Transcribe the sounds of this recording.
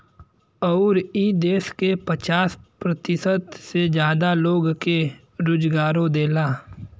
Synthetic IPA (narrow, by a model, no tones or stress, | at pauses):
ɔːɾiːd̪eːskepət͡ʃaːspɾət̪ɪsət̪sed͡ʒjaːd̪aloːɡke | ɾʊd͡ʒɡaːɾõd̪eːlaː